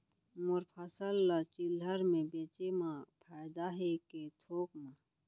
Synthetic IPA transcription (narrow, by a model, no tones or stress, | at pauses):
mʊɾpʰɐsəlat͡ʃilɦəɾmẽbeːt͡ʃemãpʰaːjd̪aɦeket̪ʰoːkmã